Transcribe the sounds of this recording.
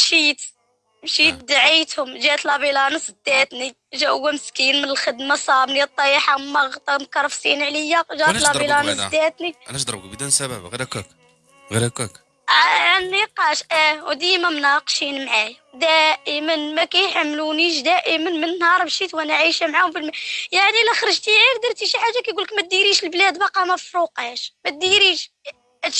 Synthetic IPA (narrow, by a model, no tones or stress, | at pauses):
bʃit̪ | bʃit̪̚d̪aʕit̪hʊmʒæt̪lɑbilɑnəsd̪ːæt̪ni | ʒæʔəwːæməskinmənəlxəd̪masˤɑbnit̪ˤːɑjħamɑɣt̪ˤɑmkɑɾˤfsinʕləjːaʒæt̪lɑbilɑnsd̪ːæt̪ninæʃd̪ˤɾbkbd̪ænsæbæ̰bɣiɾækæk | ɣiɾækæk | ʕanːiqɑʃʔæwd̪ijmæmnɑqʃinmʕajwd̪æʔəmənmækæjħamːluniʃd̪æʔəmənmənːhɑɾˤbʃit̪wænæʕiʃæmʕahʊmfilmæjaʕnilæxɾˤəʒt̪iʕikd̪iɾˤt̪iʃiħaʒːakæjɡuləkmæt̪̚d̪iɾiʃəlblæd̪bɑqɑməfɾuqhæʃmæt̪̚d̪iɾiʃ